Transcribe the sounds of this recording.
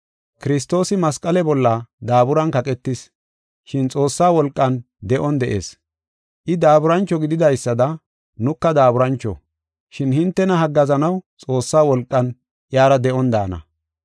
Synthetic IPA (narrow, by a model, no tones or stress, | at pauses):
kɪɾɪs̬t̪o̞ːsɪmɐskʼɐlɛbɔlːɐd̪aːbʊɾɐnkɐkʼɛt̪ːɪs | ʃɪnt͡sʼo̞ːsːaːwɔlkʼːɐn | d̪ɛʔɔnd̪ɛʔe̞̰ːs | ʔɪd̪aːbʊɾɐnt͡ʃːɔɡɪd̪ɪd̪ɐjsːɐd̪ɐ | nʊkːɐd̪aːbʊɾɐnt͡ʃːɔ̰ | ʃɪnhɪnt̪ːɛnɐɦɐɡːɐzɐnɐwt͡sʼo̞ːsːaːwɔlkʼːɐn | ʔjaːɾɐd̪ɛʔɔnd̪a̰ːnɐ̰